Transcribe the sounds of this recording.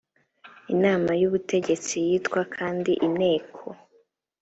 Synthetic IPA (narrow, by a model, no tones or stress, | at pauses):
inaːmajuβute̞ɟe̞t͡sijiːtkwakʰaːndiʔine̞ːkʰo